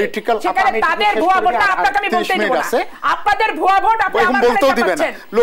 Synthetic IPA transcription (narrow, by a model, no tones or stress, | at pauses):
iʈikalʃekʰanet̪ad̪eɾbʱuabʱoʈaapnakeamiboʃt̪ed̪iboɾaaae | apnad̪eɾbʱuabʱoʈapnaeakunbolt̪eod̪ibenan | lo